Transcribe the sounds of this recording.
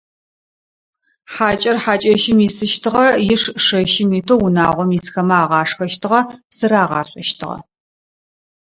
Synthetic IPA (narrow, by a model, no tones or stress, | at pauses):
ħaːt͡ʃʼɐrħaːt͡ʃʼɐʃɪmiːsɨʃtʰɨʁɐjɪʂʂɐʃɪmiːtʰowʊna̰ːʁʷɔmisxɐmɐaːʁɑːʂxɐʃtʰɨʁɐpsɨɾaːʁɑ̰ːɕʷʼɐʃtʰɨ̰ʁɐ̰